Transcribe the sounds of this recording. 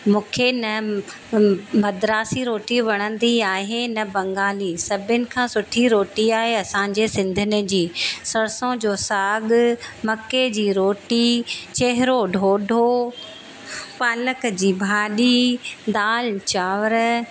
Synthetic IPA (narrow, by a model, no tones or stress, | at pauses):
mũːkʰenɐ | mɐd̪ɾaːsiɾoːʈiʋɐɽ̃ə̃nd̪iaːɦenɐbɐ̃ŋɡaːlisɐbʱɪʊnɪ̆kʰãːsʊʈʰiɾoːʈiaːɦeɐsãːɲd͡ʑesɪ̃nd̪ʱɪnɪ̆d͡ʑiːsɐɾsõd͡ʑoːsaːɠmɐked͡ʑiːɾoːʈit͡ɕeɦɪɾoɖʱoːɖʱo | paːləkd͡ʑiːbʱaːɗid̪aːlt͡ɕaːʋəɾ